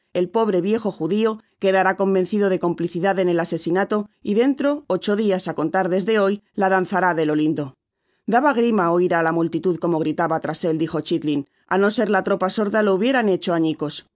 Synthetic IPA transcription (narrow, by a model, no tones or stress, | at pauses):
e̞lpo̞β̞ɾe̞βje̞xo̞xuðio̞ke̞ðaɾako̞mbẽ̞nθiðo̞ð̞e̞ko̞mpliθiðaðe̞ne̞lase̞sinat̪o̞iðe̞nt̪ɾo̞ot͡ʃo̞ðiasako̞nt̪aɾðe̞zðe̞o̞jlaðan̟θaɾaðe̞lo̞lind̪o̞ | d̪aβaɣ̞ɾimaoiɾalamult̪it̪uðko̞mo̞ɣɾit̪aβat̪ɾase̞ld̪ixo̞t͡ʃit̪lin | ano̞se̞ɾlat̪ɾo̞paso̞ɾðalo̞uβje̞ɾane̞t͡ʃo̞aɲiko̞s